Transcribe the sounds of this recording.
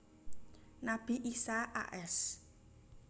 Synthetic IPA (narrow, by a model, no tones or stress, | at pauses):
nab̥iʔisaʔa̰ʔɛs